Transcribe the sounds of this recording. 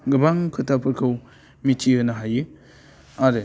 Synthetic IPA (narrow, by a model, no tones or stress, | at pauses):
ɡɯbaŋkʰɯtʰapʰɯɾkʰɯw | mitʰiɯnaɦajɯ | aɾɯ